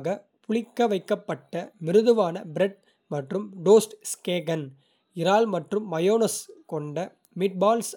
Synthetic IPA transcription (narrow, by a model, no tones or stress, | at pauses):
ɣɐ | pʊɭɪkːɐʋɐɪkːɐpːɐʈːɐmɪɾɯðɯʋaːnɐbɪɾɛɖ̚ | mɐʈrɯmɖoːsʈskeːɡɐn | ɪɾaːlmɐʈrɯmːɐjoːnɐskɔɳɖɐ | mɪʈ̚baːls